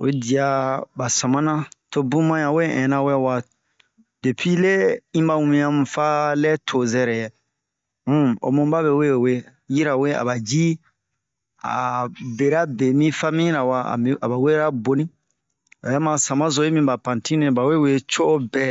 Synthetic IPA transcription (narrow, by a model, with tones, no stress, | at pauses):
e˦di˨a˨ba˨sã˨mã˦nã˦to˦bũ˦mã˦jã˨we˦ɛ̰̃˨nã˨wwa˨ | d̥e˨pi˦le˦ĩ˦ba˦wũ˨ĩ˨˦ã˦mũ˨fa˦lɛ˦tʰo˨zɛ˦ɾɛ˨je˨ | m̩˦o̰˨mũ˦ba˦be˨we˦˨we˦ | ji˦ɾa˨we˦a̰˨ba˨d͡ʒi˦ | a̰˨be˨ɾa˦be˨mĩ˦fa˦mĩ˦ɾa˨wa̰˨˦a˨ba˨we˦ɾa˦bo˨nĩ˦ | o˨ja˦mã˨sã˨mã˦zo˨˦e˦mĩ˦ba˨pã˨ntĩ˦nẽ˦˨ba˨we˦we˦t͡ʃo˦ʔo˦bɛ˦˨